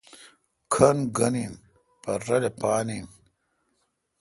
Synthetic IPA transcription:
kʰɐnɡɐnin | pɐɾɐlepaːnin

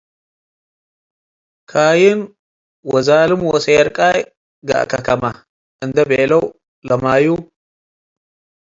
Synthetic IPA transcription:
kʰaːjɪn | wɔzaːlɨmwɔseɛɾkʼaj | ɡa̰ʔkʰɐkʰɐma | ʔɨnd̪ɐbeːlɐw | lɐmaːju

